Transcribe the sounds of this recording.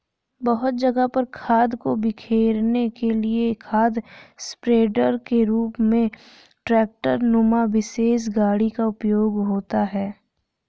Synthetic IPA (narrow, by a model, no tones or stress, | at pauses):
bəɦʊt̪̚d͡ʒɐɡəpəɾkʰaːd̪kobɪkʰeːɾnekeliekʰaːd̪spɾeːɖəɾkeɾuːpmẽ | ʈɾɛːk̚ʈəɾnʊmaʋɪseːs̬ɡaːɽikaʊpjoːɡɦoːt̪aɦɛː